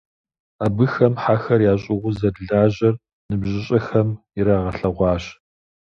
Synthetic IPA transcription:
abɨxɐmħaxɐrjaːɕʼɪʁʷʊzɐdɮaːʑɐr | nɨbʑɪɕʼɐxɐm | ɪɾaːʁɐɬɐʁʷɑːɕ

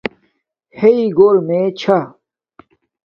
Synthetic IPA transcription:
heiɡoːlmẽt͡ɕʰa

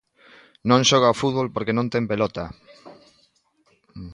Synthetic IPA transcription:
nõŋʃɔɣ̞aofuðβolpoɾkenõnt̪ɛŋpelɔt̪a

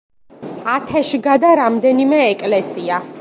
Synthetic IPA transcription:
at̪ʰɛʃɡad̪aɾamd̪ɛnimɛːkʼlɛsia

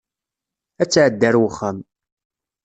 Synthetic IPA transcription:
æt͡sːʕəd̪ːəɾwəχːəm

